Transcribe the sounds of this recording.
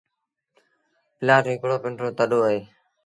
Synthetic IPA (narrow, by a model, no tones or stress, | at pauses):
pɪlaːʈɦɪkɽoːpɪɳʈɾoːt̪əɗoːəɦeː